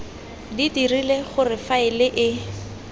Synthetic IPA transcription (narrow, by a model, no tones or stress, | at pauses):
ditirileχʊrɪfaɪlɪʔɪ